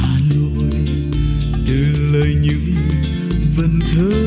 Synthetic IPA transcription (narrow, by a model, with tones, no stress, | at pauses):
a˨˩no˧˩j | t͡ɕɨ˨˩˨ləː˨jɲɨ̰˧˥ŋ | və˧˩nt̪ʰə˨˦